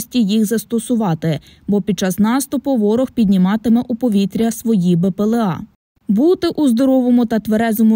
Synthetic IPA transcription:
sʲtʲijixzɐst̪ɔsʊʋɑt̪ɪ | bɔpʲid̪̚t͡ʃɑsnɑst̪ʊpɔʋɔɾɔxpʲid̪ʲnʲimɑt̪ɪmɛʔupɔʋʲit̪ɾʲɐsʋɔjibepelˠeɑ̰ | but̪ɪʔuzd̪ɔɾɔʋɔmʊt̪ɐt̪ʋeɾɛzɔmʊ

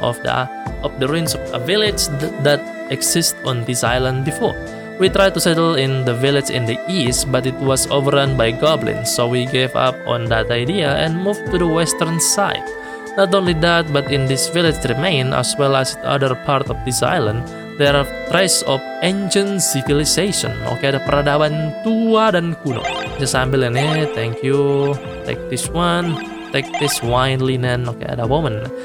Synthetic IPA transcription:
ʔɔ̰fdə̰ | ʔɔp̚dəɹĩnsɔfəvilɪd͡ʒdæt̪̚ | ɛɡsɪstɔ̃nd̪isa̰jlə̃ndbifɔ̰ɹ | wit̪ɾaj̚t̪usɛtəlɪ̃nd̪əvilɪsɪ̰̃ndiʔistbat̪ɪt̪̚wɔsovəɾãnbajɡɔblɪ̰̃nsowiɡeva̰p̚ɔ̰̃nd̪at̪ajdiaɛ̰̃nmuvt̪udəwɛst̪ərnsaɪd̚ | nɔt̪õnlidæt̪̚bat̪ɪ̃ndɪsvilɪd͡ʒɾimẽɪna̰swɛlɛsdia̰dərpart̪ɔfdisa̰jlə̃n | dɛɾt̪ɾɛsɔfend͡ʒə̃nsiviliseʃɔ̰̃no̰kedapəɾadabant̪uadankuno̰d͡ʒasambɪlɛnit̪ɛ̃ŋkju | t̪ḛk̚d̥̪ɪswan | t̪ek̚d̪̥ɪswãjnlinɛnokḛa̰dawomə̃n

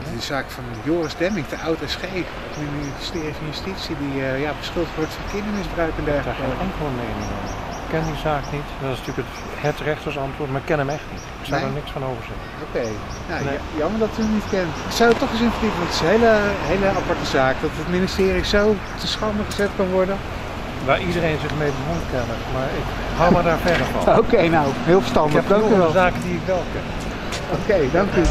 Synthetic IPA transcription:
ddəzaːkfɑnjoːrəzdɛmɪŋktəʔawtɛsχejk | tin | stɪːrifɑnjʉstitsidiəjabəsχɪlˠttʋɔɹtfəkɪndəmɪzbrœɥkəndɛɹχələkɛŋkəl̩ˠənejnɪŋɔ̰n | kɛndizaːknitdɑtɪsntyːləkət | hɛtrɛχtəsɑntʋʊːtmaːɪkːɛnəmɛχtnitɪksadaɹnɪksfɑnowvəɹzɛt | okej | nojɑməɹdɑtyənitkɛnsawətɔχɪs̬ɪnfəditənʋɑntətɪsənɦejləɦejləapɑɹtəzaːkdɑtətministɪːrizow | təsχɑmdəχəzɛtkɑnʋɔɹdən | ʋaːɹʔidəɾejnzɪχmejbəɦonkɛnəmaːɹɪk | hawmaɹdaːɹfɛɹdəɹfɑ̰nokejnawɦɪːlˠfə̥stɑndəχdɑŋkyʋɛlˠzaːkədiɪkʋɛlˠkɛn | owkejdɑŋky

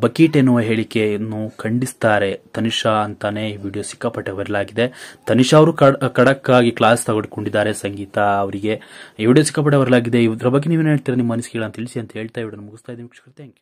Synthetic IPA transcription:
bɐkiːʈenːuʋɐɦe̞ːɭikːe̞nukʰɐɳɖist̪aːɾe̞t̪ɐniʂɐɐnt̪ane̞iːʋiːɽijoːsi̥kːɐpɐʈːeʋɐɾɐlaːɡid̪e̞t̪ɐniʂɐːʋɐɾuːkɐkɐɽɐkːaːɡiklaːst̪ɐɡoɽkoɳɖid̪ːaːɾe̞sɐŋɡiːt̪ɐːʋɐɾiɡe̞iːʋiːɽijoːsi̥kːɐp̬ɐʈ̬ːeʋɐɾɐlaːɡid̪eiʋd̪ɾɐbɐɡːeniːʋenɦeːɭt̪iːɾɐnimɐɐnusikeɐɭɐnt̪iɭisiɐnt̪ɐe̞ːɭt̪aːjiʋɐɽɐnːumuɡust̪aːjid̪eʋikʂɐ̥kɾɐt̪eɐŋke

